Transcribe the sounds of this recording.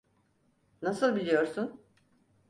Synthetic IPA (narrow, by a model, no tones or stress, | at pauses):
nasɯlˠbilʲijo̞ɾsun